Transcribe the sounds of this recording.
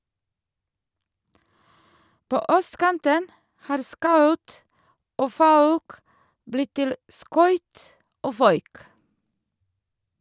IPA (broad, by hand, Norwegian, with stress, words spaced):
ˈpoː ˈœstˌkɑntən ˈhɑːɾ ˈskɑʉt ˈoː ˈfɑʉk ˈblɪt ˈtɪl ˈskœʏt ˈoː ˈfœʏk